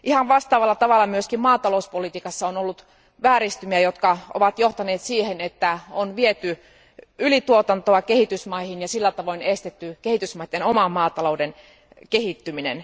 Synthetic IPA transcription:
ʔihɑnʋɑst̪ɑːʋɑlːɑt̪ɑʋɑlːˑɑmyøskimmɑːt̪ɑlouspolit̪iːkɑsːɑonolːut̪ | ʋæːɾist̪ymiæjot̪kɑo̰ʋɑt̪joht̪ɑneːt̪siːhenet̪ːæonʋiet̪y | ylit̪uot̪ɑnt̪oɑkehit̪ysmɑihinjɑsilːæt̪ɑʋoinest̪et̪ːykehit̪ysmɑit̪ːenomɑmːɑːt̪ɑlouden | kehit̪ːyminḛn

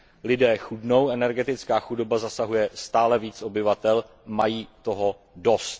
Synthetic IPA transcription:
lɪdɛːxudno̞wʔɛnɛɾɡɛt̪ɪt͡skaːxudo̞bazasaɦujɛst̪aːlɛviːt͡so̞bɪvat̪ɛl | majiːt̪o̞ɦo̞ | dost̪̚

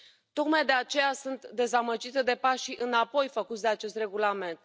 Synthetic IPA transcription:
t̪o̞kmajd̪e̞at͡ʃe̞jasunt̪d̪e̞zaməd͡ʒit̪ed̪e̞paʃiʔɨnapo̞jfəkut̪sʲd̪eat͡ʃe̞st̪re̞ɡulame̞nt̪

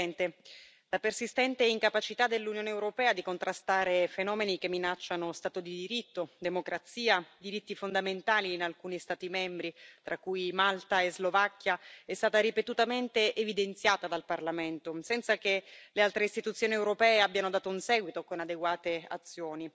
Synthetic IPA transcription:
ɛnt̪e | lapersist̪ɛnt̪eɛiŋkapat͡ʃit̪ad̪elːunjoːneːwɾopɛːad̪ikont̪ɾast̪aːɾefenɔːmenik̟emːinat͡ʃːanost̪aːt̪od̪id̪iɾit̪ːod̪emokɾat̪siːad̪iɾit̪ːifond̪ament̪aːliːnalkuːnist̪aːt̪imɛmbɾit̪ɾʔakːujmalt̪aezlovakːjaɛst̪aːt̪aɾipet̪ut̪ament̪eʔːvid̪ent̪sjaːt̪ad̪alparlament̪osɛnt̪sakelealt̪ɾeist̪it̪ut̪sjoːniewɾopɛːeabjanod̪aːt̪ounsɛːɡwit̪okonad̪eɡwaːt̪ea̰t̪sːjoːni

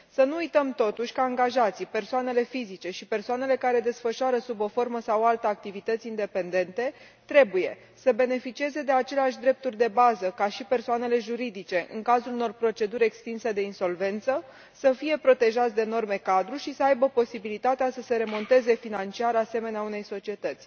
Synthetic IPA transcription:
sənuujt̪əmt̪o̞t̪uʃʲkaːŋɡaʒat̪sijpe̞rsoane̞le̞fizit͡ʃe̞ʃipe̞rsoane̞le̞kaɾe̞d̪e̞sfəʃoaɾəsubo̞fo̞rməsawalt̪əak̚t̪ivit̪ət̪sʲind̪e̞pe̞nd̪e̞nt̪e̞ | t̪ɾe̞buje̞̰ | səbe̞ne̞fit͡ʃie̞ze̞d̪e̞at͡ʃe̞leaʃ̬ʲd̪ɾe̞p̚t̪urʲd̪e̞bazəkaʃipe̞rsoane̞le̞ʒuɾid̪it͡ʃe̞ʔɨ̰ŋkazuluno̞rpɾo̞t͡ʃe̞d̪uɾʲe̞kst̪inse̞d̪e̞inso̞lve̞nt̪sə | səfije̞pɾo̞t̪e̞ʒat̪sʲd̪eːno̞rme̞kad̪ɾuʃisəajbəpo̞sibilit̪at̪easəse̞ɾe̞mo̞nt̪e̞ze̞finant͡ʃiaɾase̞me̞neaune̞jso̞t͡ʃie̞t̪ət̪sʲ

